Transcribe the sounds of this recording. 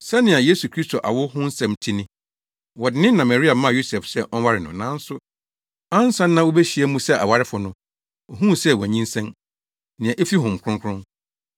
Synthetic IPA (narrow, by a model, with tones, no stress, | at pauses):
sɛ˦nɪ̃˨a˨je˦su˨kʰɾi˦stʰo˨ʔa̰˨wʊ˦hʊ̃˦n̩˦sɛ̃˨mtʰi˦nɪ̃˦ | wɔ˨dɪ˦nɪ̃˦nːã˨ma˨ɾi˦a˨mã˦˨jo˦sɛ˨fsɛ˦ʔɔ˦n˦wa˦ɾɪ˨nʊ̰̃˨nã˨˦n̩˦sʊ˦ | ã˦n˦sã˦nː˦ã˦wo˦bɛ˦ɕi˨˦ɛ˦mũ˦sɛ˦ʔa̰˨wa˨ɾɪ˦fʊ˨nʊ̃˨ | ɔ˨ɦũ˦˨sɛ˦˨wɔ˨ɲĩ˦nsɛ̃˦n | nɪ̃˨ã˨ʔe˦fi˦ɦʊ̃˨m̩˨kʷʰɾʊ̃˦ŋkʰɾʊ̃˦ŋ